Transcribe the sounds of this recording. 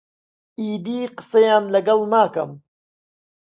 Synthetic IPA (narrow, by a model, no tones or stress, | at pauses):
iːd̪iːqɨ̥sɐjaːnlɐɡɐlnaːkɐ̰m